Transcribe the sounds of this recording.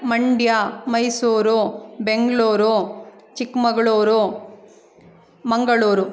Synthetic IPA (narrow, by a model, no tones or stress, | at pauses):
mɐɳɖjaːmɐjsuːɾubeŋɡɭuːɾut͡ʃikmɐɡɐɭuːɾu | mɐŋɡɐɭuːɾu